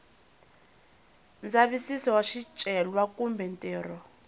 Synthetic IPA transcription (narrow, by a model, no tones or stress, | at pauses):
nd͡zaβisisɔwaʃit͡ʃʼɛlwakʼumbʱɛntʼɛːrɔ